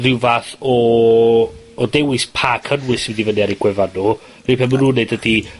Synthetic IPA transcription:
rɪwvaθɔ | dɛwɪspʰakʰənwɨswidivəniaɾiɡ̥wɛvanu | ripʰɛmunuːneɨdədi

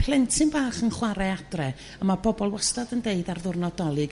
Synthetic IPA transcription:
pʰlˠɛntʰɪmbaːχənχwaɾɛadrɛ | əmabɔbɔlˠwəstadəndeɨdarðʊrnɔdɔlˠɨɡ

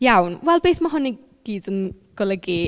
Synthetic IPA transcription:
jawnwɛlˠbeːθmaɦʊni | ɡ̥iːdənɡ̥ɔlˠəɡi

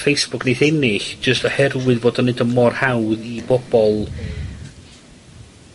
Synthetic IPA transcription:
fejsb̥ʊkʰnejθɛnɪɬd͡ʒəstɔhɛrwɨðvoːdɔnɪdəmɔrhawðibɔb̥ɔlˠ

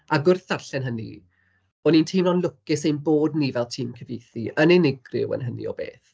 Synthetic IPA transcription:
aɡʊrθarɬɛnɦənḭ | ɔnintʰiːmnɔnlˠʊkɪsejnboːdnivɛlˠtʰiːmkʰəvejθiʔənenɪɡrɪ̰wə̰nɦənḭɔ̰bḛːθ

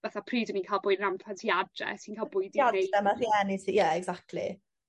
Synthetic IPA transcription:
vaθapʰriːdəniːnkʰajlˠbʊːɨdənampʰantʰiadrɛ̰siːnkʰalˠbʊːjdadeɛmarjɛnisijɛɛɡzak̚tʰlḭ

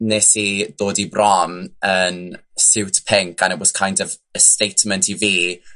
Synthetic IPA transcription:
neːsid̥oːdibrɔmənsɪwtpʰɛŋkʰanəbɔskʰajndɔvəstejtʰmɛntʰiviː

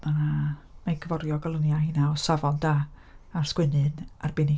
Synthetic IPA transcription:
manamajɡʰəvɔrjɔɡalˠʊnjahinaɔsavɔndaːrskwɨnɨnarbɪni

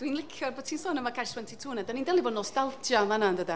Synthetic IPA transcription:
d̥winlɪkʰjɔrboːdtʰiːnsɔːnəmakʰajswɛntʰitʰuːnɛdaniːndɛlˠibɔːdnɔstalˠtʰjɔamanandəda

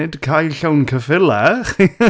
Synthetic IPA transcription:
ɪdkʰajɬawnkʰəfɪlɛχ

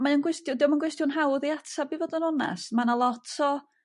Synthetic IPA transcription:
maənɡwɪstjʊdiwmanɡwɪstjʊnɦawðiatʰabivoːdənɔna̰smanalˠɔtʰɔ

